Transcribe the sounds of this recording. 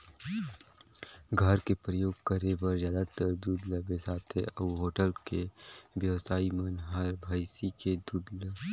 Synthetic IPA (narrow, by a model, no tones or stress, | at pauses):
ɡʱəɾkepɾəjoːɡkəɾebəɾzjaːd̪at̪əɾd̪uːd̪ləbesaːt̪ʰeʔɐuɦoːʈəlkeʋjəʋsaːimənɦəɾbʱaːɪsiked̪uːd̪lə